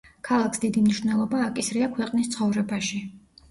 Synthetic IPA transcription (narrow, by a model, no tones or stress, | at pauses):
kʰalˠakʰsd̪id̪imniʃvnɛlˠɔbaːkʼisɾiakʰwɛqʼnist̪sʰχɔvɾɛbaʃi